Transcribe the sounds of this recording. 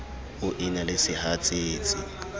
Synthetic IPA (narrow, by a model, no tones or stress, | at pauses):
ʊʔinalɪsɪhat͡sʼɪːt͡sʼɪ